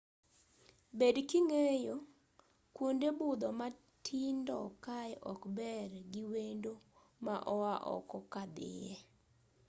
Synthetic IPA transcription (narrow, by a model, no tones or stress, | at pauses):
bedkiŋejo | kwondebʊd̪ɔma | tʰindɔkajʔɔkbɛrɡiwendo | maʔɔwaʔɔ̰kɔkad̪ɪ̰jɛ